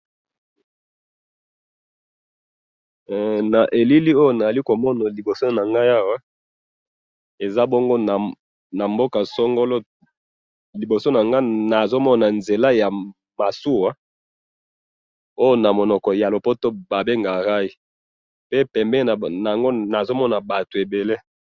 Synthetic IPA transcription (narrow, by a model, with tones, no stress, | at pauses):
na˨ʔe˨li˦li˦o˦jo˦na˨za˨li˦ko˨mɔ˦na˨li˨bo˨so˦na˨ŋɡa˦ja˦wa˦ | e˨za˦bo˦ŋɡo˦na˨ | na˨mbo˦ka˨sɔ˦ŋɡo˦lo˦ | li˨bo˨so˦na˨ŋɡa˦na˨zo˦mɔ˦na˨nze˨la˦ja˨ | ma˨su˦wa˦ | o˦jo˦na˨mo˨nɔ˨kɔ˨ja˨lo˨po˦to˦ba˨be˦ŋɡa˨ʁa˦i˦ | pe˦pɛ˨mbɛ˦˨na˨a˨ŋɡo˦na˨zo˦mɔ˦na˨ba˨to˨e˨be˨le˦